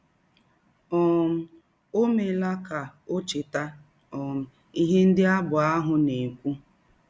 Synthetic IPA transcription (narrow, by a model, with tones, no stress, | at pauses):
ɔ˨m̩˦ | o˦me˨la˦ka˨o˦t͡ʃɪ˨ta˦ | ɔ˨m̩˨ | i˦ɦe˦n̩˦dɪ˦a˦bʊ˨a˦ɦʊ˨ne˨kʷu˦